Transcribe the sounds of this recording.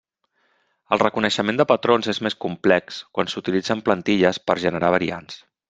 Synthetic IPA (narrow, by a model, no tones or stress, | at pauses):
əlˠrəkunəʃəmẽnd̪əpət̪ɾonzezmeskumplɛkskwansut̪ilid͡zəmplənt̪iʎəspəɾʒənəɾaβ̞əɾians